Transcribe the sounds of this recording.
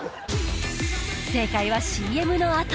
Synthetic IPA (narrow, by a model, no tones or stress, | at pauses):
se̞ːkaiβaɕiːe̞mɯ̟no̞at̪